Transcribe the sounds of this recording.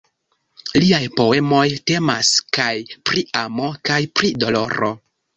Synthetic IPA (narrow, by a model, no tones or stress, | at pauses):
liajpo̞e̞mo̞jte̞maskajpɾiamo̞kajpɾido̞lo̞̰ɾo̞̰